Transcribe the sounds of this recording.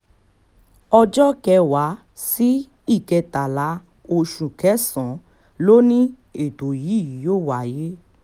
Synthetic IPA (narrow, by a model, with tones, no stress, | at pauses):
ɔ˧d͡ʒɔ˦kɛ˧wa˨˦ | si˦ | i˦˨kɛ˧ta˨la˨˦ | o˧ʃũ˨kɛ˨˦sɔ̃˨˦ | lo˦nĩ˦ | e˦˨to˨ji˨˦˨ji˨joː˦˨wa˨˦˨je˦